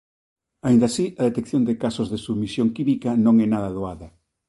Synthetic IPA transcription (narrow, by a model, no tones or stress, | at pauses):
aind̪asiʔɐðet̪ekθjond̪ɪkasozðesumisjoŋkimikɐnõŋɛnaðɐðoaðɐ